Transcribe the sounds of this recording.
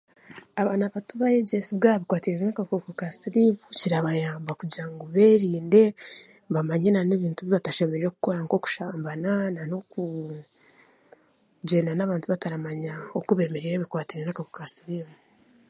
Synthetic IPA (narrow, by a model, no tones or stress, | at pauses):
aβaːnaβatuβajeɟesibɡaːɾaβikwaːtiɾeenakakokokasiɾiβuciɾaβajaːmbakuɟiɾaŋɡoβeːɾiːnde̞ | βamaɲenaneβiːntuβiβataʃe̞me̞ɾeɾoku̥ko̞ɾaŋko̞ku̥ʃaːmbanananoku | ɟe̞ːndanaβaːntuβataɾamaɲaokuβe̞ːmeɾeɾeβikwaːtiɾenakakokasiɾiβu